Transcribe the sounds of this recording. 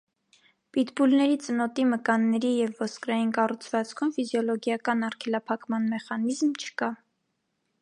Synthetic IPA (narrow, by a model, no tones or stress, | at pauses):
pit̪bulnɛɾit͡sənɔt̪iməkɑnːɛɾijɛvːɔskɾɑjinkɑrut͡sʰvɑt͡skʰumfizjɔlɔɡjɑkɑnɑɾkʰɛlɑpʰɑkmɑnmɛχɑnizmt͡ʃʰə̥kɑ